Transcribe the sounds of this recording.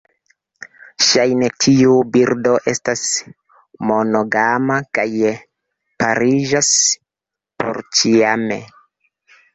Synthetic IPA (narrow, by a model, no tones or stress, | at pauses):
ʃajne̞tʰiubiɾdo̞ʔe̞stas | mo̞no̞ɡamakaj | paɾiʒas | pʰo̞̰ɾt͡ʃiame̞̰